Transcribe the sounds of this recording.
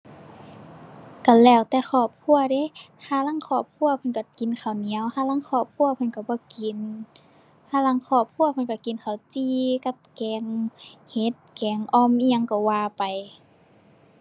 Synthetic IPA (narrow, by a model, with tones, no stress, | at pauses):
ka˧˩lɛː˧˩˨wt̪ɛː˧˦xɔː˧˩p̚kʰu˧˩˨ɐde˧˦˨ | hʰaː˧˩˨la˧˥˨ŋkʰɔː˧˩p̚kʰu˧˨ɐpʰa˧˨nka˧˩ki˨nkʰa˨˩wni˨˦ə˨whaː˧˨la˧˥˨ŋkʰɔː˧˩p̚kʰu˧˨ɐpʰa˧˨nka˧˩bɔː˧˦ki˨n | hʰaː˧˥˨la˧˨ŋkʰɔː˧˩p̚kʰu˧˨ɐpʰa˧˨nka˧˩ki˨nkʰa˨˩wt͡ɕiː˧ka˧˥p̚kɛː˨˧ŋhe˧˦t̪̚kɛː˨ŋʔɔː˧˨mʔiː˧a˧˨ŋkɔ˧˩waː˧˨pa˨j